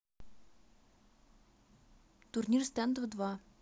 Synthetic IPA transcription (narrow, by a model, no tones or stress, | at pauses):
t̪urnʲirst̪ɛnd̪əvəd̪va